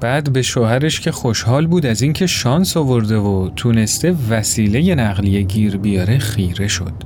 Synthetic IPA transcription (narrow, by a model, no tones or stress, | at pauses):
b̥æːd̪be̞ʃoːhæɾeʃcʰe̞xoʃhɒːlbuːd̪æzincʰe̞ʃɒːnsovoɾd̪e̞vot̪ʰuːne̞st̪e̞væsiːle̞je̞næʁlijeɟiːɾbijɒːɾe̞χiːɾe̞ʃo̞̰d̪̥